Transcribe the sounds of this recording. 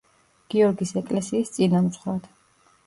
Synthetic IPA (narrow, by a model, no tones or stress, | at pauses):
ɡ̥iɔɾɡisɛkʼlɛsiːst̪sʼinamsχwad̪̥